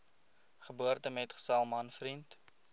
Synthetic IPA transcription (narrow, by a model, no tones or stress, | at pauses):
χəbuərtəmɛtχə̥sɛlˠmɐnfrint